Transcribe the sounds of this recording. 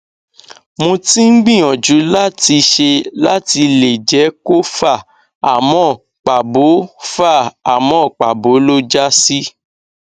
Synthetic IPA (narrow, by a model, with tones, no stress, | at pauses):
mõ˧tĩ˦ŋ̩˦ɡ͡bĩ˦˨ɔ̃˨d͡ʒu˨˦la˦ti˧ʃe˧la˦ti˧le˨d͡ʒɛ˨˦ko˦fa˦˨ | a˨mɔ̃˨˦˨ | k͡pa˨bo˨˦fa˦˨a˨mɔ̃˨˦˨k͡pa˨bo˨˦lo˦d͡ʒa˦si˦